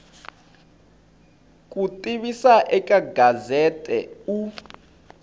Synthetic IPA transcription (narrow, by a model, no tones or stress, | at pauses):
kʼutʼiɓisaʔɛkʼaɡazɛtʼɛ̰u